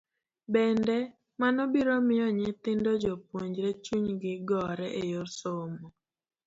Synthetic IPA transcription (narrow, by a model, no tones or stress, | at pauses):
bɛndɛ | manɔbiɾomɪɔɲɪt̪ɪndɔd͡ʒopwoɲd͡ʒɾɛt͡ʃuɲɡɪɡɔɾɛʔejorsomɔ